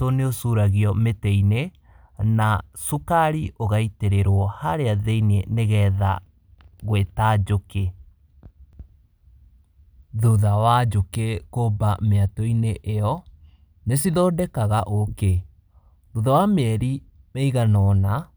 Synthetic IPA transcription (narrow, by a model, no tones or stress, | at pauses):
toneosuɾaɣiɔmetɛine | nasukaɾiʔoɣaiteɾeɾwɔhaɾeaðeineneɣɛða̰ | ɣwetad͡ʒoke | ðuðawad͡ʒokekobameatɔineʔːɔ | nesiðɔːdɛkaɣaʔoke | ðuðawameɛɾimeiɣanɔna